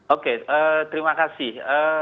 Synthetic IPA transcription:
okeət̪əɾimakasɪhə

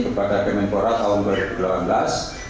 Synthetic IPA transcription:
kəpadakənɛmpoɾat̪aɦʊnduaɾib̥u̥lapanblas

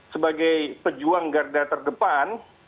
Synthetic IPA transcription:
səbaɡajpəd͡ʒuaŋɡardat̪ərdəpan

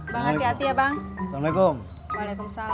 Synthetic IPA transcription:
baŋaiat̪ijabaŋsmlejkum | walekumsa

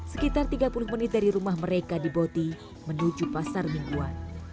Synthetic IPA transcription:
sə̥kit̪art̪iɡapulʊhmənɪt̪̚daɾiɾumahməɾekadibot̪i | mənud͡ʒupasarmiŋɡuan

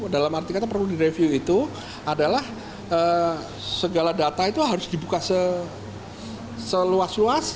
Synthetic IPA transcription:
dalamart̪ikat̪apərludiɾefjuit̪u | adalah | ə | səɡaladat̪ait̪uɦaɾʊsdibukasə | səluasluas

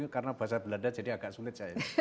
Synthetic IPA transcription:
akaɾənabəɦas̬abəladad͡ʒadiaɡaʔsulɪt̪̚t͡ʃaja

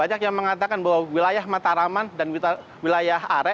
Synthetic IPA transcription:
aɲakjaŋməŋat̪akanbaɦwawilajahmat̪aɾamandani | wilajaɦaɾɛ

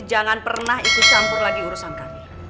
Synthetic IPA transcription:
d͡ʒaŋanpərnaɦit̪ut͡ʃampʊrlaɡiuɾusankami

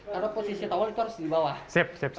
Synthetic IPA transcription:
kaɾoposisit̪awalit̪uaɾʊsd̪ibawahsep̚sep̚

